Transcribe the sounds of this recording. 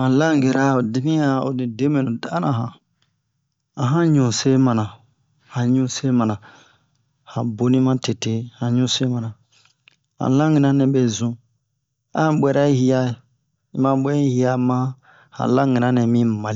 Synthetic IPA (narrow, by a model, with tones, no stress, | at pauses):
hã˨lã˦ŋ˨ɡe˨ɾa˨˦o˨di˦mĩ˦a˨o˨nĩ˨de˦me˨nũ˨da˦nã˨ɦã˨ | a˨ɦã˦ɲũ˨se˦mã˨nã˨ | hã˨ɲũ˦se˦mã˨nã˨ | hã˨bo˨˦nĩ˦mã˦te˨te˨˦hã˨ɲũ˦se˦mã˨nã˨ | hã̰˨lã˦ŋĩ˨nã˦nɛ̃˨be˨zũ˨˦ | ã˦˨ɓʷɛ˦ɾa˦i˦hi˦ja˦˨ | i˦mã˦ɓʷɛ˦i˦hi˦a˨mã˦ | hã̰˨lã˦ŋi˨nã˦nɛ̃˨mĩ˦ma˨l